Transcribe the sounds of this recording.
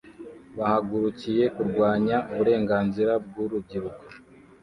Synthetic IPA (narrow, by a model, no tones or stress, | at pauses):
βahaɡuɾucije̞kuɾɡwaːɲaʔuβuɾe̞ːŋɡaːnziɾab̚ɡuɾubɟiɾuko